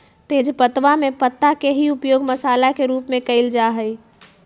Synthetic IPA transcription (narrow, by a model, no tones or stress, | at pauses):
t̪eːd͡ʒpət̪ʋamẽpət̪ːakeɦiupjoːɡməsaːlakeɾuːpmẽkəɪld͡ʒaɦəj